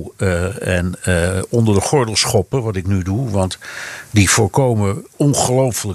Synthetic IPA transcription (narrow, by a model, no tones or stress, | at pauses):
ɛnɔndəɹdəχɔɹdəlˠsχɔpəʋɑtɪknyduʋɑntdivʊːɹkowməɔnχəlowfələ